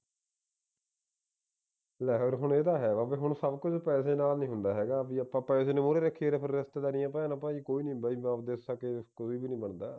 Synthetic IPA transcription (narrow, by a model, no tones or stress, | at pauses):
lɛːkəɾɦʊɳeːd̪aːɦɛːʋaːbeːɦʊɳsəbkʊd͡ʒpɛːseːnaːlnĩːɦʊnd̪aːɦɛːɡaːbiːəpːãːpɛ̃ːɪsneːmoːɾeːɾəkʰːiːɾeːpʰɪɾːɪst̪eːd̪aːnĩːãːpɛaːnaːpãːiːkoːiːnĩːbaːiːmãːpd̪eːssəkeːkʊsiːbiːnĩːbəɳd̪aː